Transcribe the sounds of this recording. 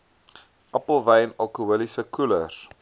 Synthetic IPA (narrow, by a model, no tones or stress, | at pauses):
ʔɐpəlˠvɛjnɐlˠkuəlisəkuləs